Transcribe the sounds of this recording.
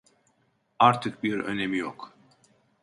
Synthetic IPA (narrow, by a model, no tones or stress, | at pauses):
aɾt̪ʰɯk̚biɾø̞̰nemijok